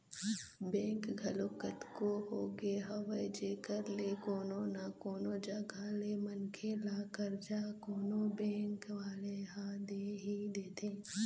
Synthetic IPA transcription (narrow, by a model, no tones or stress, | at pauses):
bɛ̃ːŋkɡʱɐlokət̪koɦoːɡeɦɐʋəjd͡ʒeːkəɾlekoːnonakoːnoːd͡ʒaɡʱaːlemənkʰelaːkəɾd͡ʒaːkoːnobɛ̃ːŋkʋaːleɦad̪eɦid̪eːt̪ẽː